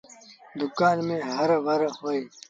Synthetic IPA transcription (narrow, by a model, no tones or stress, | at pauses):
d̪ʊkaːnmẽːɦɐɾʋɐɾhoːe